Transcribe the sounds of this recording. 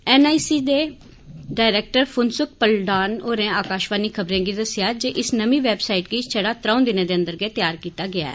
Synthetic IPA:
ɛːnaːisiːd̪eː | ɖaːɪɾeːk̚ʈəɾfʰʊnsʊk̚pəlɖaːnoːɾɛ̃ːaːkaːʃʋaːniːkʰəbɾẽːɡiːd̪əsɪjaːd͡ʒeːʔɪsnəmĩːʋɛːbsaːiʈɡiːt͡ʃʰəɽaːt̪ɾãũːd̪ɪnẽːd̪eːə̃nd̪əɾɡeːt̪jaːɾkiːt̪aːɡɪa̰ːɛ̰ː

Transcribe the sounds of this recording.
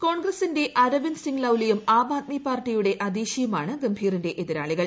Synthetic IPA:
ko̞ːɳɡrɐsinde̞ʔɐɾɐʋinsiŋɡlɐwlijumaːbaːt̪̚mipaːrʈːijuɽe̞ʔɐd̪iːɕijumaːɳɨɡɐmbʱiːrinde̞ʔeðiɾaːɭiɣɐɭ

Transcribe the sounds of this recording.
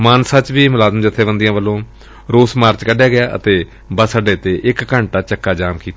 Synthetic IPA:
maːnsãːt͡ʃʋiːmʊlaːzəmd͡ʒɪt̪ʰːeːbənd̪ɪjãːʋəlːõː | ɾoːsmaːɾt͡ʃkəɖjaːɡɪjaːʔə̰t̪eː | bəsəɖeːt̪eːʔɪkːəɳʈaːt͡ʃəkːaːd͡ʒaːmkiːt̪a

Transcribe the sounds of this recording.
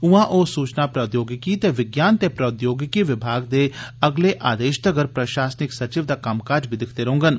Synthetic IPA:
ʊãːʔoːsuːt͡ʃnaːpɾəʊd̪joːɡɪkiːt̪eːʋɪɡjaːnt̪eːpɾəd̪joːɡɪkiʋɪbʱaːɡd̪eːəɡleːʔʔaːd̪eːʃd̪əɡəɾpɾəʃaːsnɪksət͡ʃɪʋd̪aːkəmkaːɾd͡ʒbʱid̪ɪkʰd̪eːɾoɦõːŋɡən

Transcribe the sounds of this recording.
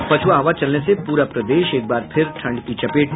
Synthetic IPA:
pɐt͡ʃʰuʋaːɦɐʋat͡ʃɐlnesepuːɾapɾɐd̪eːʃeːk̚baːɾpʰɪɾʈʰɐ̃ɳɖkit͡ʃɐpeːʈ

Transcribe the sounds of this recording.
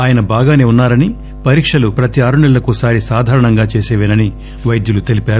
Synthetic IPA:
aːjɐnɐbaːɡaːne̞ːunːaːɾɐni | pɐɾiːkʂɐlupɾɐt̪iaːɾuɳɛlːɐkuːsaːɾisaːd̪ʱaːɾɐɳɐŋɡaːt͡ʃeːsɛːʋenɐni | ʋɐjd̪julut̪e̞lipaːɾu

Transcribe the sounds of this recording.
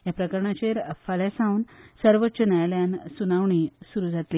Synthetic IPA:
japɾəkəɾɳat͡ɕeɾəfalasãunsəɾʋət̪ːɕənajljansunaʋɳiːsuɾuːd͡zat̪liː

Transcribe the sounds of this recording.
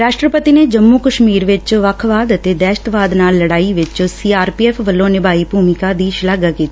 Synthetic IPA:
ɾaːʃʈɾəpət̪ineːd͡ʒəmːukəʃmiːɾʋɪt͡ʃʋəkʰʋaːd̪ət̪eːd̪ɛːʃə̥t̪ʋaːd̪naːlːəɽaːiʋɪt͡ʃsiːaːɾpiːɛːpʰʋəlːõːnɪbaːiːbʱuːmɪkad̪iːʃlaːɡakiːt̪aː

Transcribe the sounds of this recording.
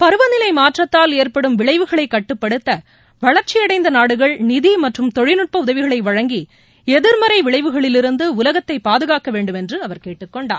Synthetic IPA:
pɐɾɯʋɐnɪlɐɪmaːʈrɐt̪ːaːleːɾpɐɽɯmʋɪɭɐɪʋɯɣɐɭɐɪkːɐʈːɯpːɐɽɯt̪ːɐ | ʋɐɭɐɾt͡ʃːɪjɐɽɐɪnd̪ɐnaːɽɯɣɐɭnɪðimɐʈrɯmt̪ɔɻɪnɯʈ̚pɐʊðɐʋɪɣɐɭɐɪʋɐɻɐŋɡi | ɛðɪɾmɐɾɐɪʋɪɭɐɪʋɯɣɐɭɪlɪɾɯnd̪ɯʊlɐɣɐt̪ːɐɪpːaːðɯɣaːkɐʋeːɳɖɯmɛndrɯɐʋɐɾkeːʈːɯkːɔɳɖa̰ː

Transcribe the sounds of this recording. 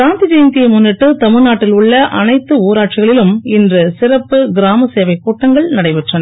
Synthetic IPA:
aːnt̪ɪd͡ʒɐjnt̪ɪjɐmʊnːɪʈːɯt̪ɐmɪɾnaːʈːɪlʊɭːɐʔɐnɐɪt̪ːɯuːɾaːʈ̚t͡ʃɪɣɐɭɪlɯmɪndrɯsɪɾɐpːɯɡɪɾaːmɐseːʋɐɪkːuːʈːɐŋɡɐɭnɐɽɐɪʋɪʈrɐnɐ

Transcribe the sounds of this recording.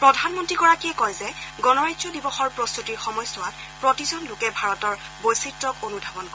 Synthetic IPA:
pɹɔdʱanmɔntɹiɡɔɹakiɛkɔjzɛɡɔnɔɹajzɔdibɔxɔɹpɹɔstutiɹxɔmɔjstɔwat | pɹɔtizɔnlʊkɛbʱaɹɔtɔɹ | bojsitːɹɔkonudʱabɔnkɔ

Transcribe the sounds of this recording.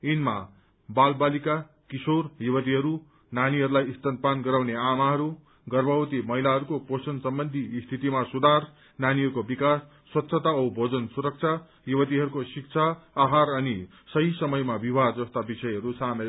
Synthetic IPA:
inma̰ | balbalika | kisorjubʌt̪̬iɦʌɾu | naniɦʌɾulajist̪ʌnpanɡʌɾawneamaɦʌɾu | ɡʌrbawt̪imʌɦilaɦʌɾukoposʌnsʌmbʌnd̪ʱist̪ʰit̪imasud̪ʱar | naniɦʌɾukobikasːwʌt̪ːsʰʌt̪aʌwbʱod͡zʌnsuɾʌk̚t͡sʰa | jubʌt̪̬iɦʌɾukosik̚t͡sʰaːɦarʌni | sʌɦisʌmʌjmabibʱard͡zʌst̪abisʌjɦʌɾusame

